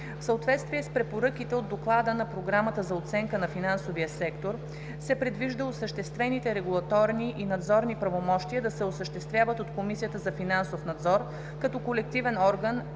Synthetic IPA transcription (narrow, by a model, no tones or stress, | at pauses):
fsəot̪vɛt̪st̪viɛspɾɛpoɾɤkit̪ɛod̪ːoklˠad̪ənɐpɾoɡɾamət̪əzɐot̪sɛŋkənɐfinansoviəsɛkt̪oɾ | sɛpɾɛd̪viʒd̪əosəʃt̪ɛst̪vɛnit̪ɛɾɛɡulˠɐt̪ɔɾniʔinɐd̪zɔɾnipɾɐvomɔʃt̪iəd̪ɐsɛosəʃt̪ɛst̪vjavət̪ot̪komisijət̪əzɐfinansofnɐd̪zɔɾ | kɐt̪ɔkolɛk̚t̪ivɛnɔɾɡən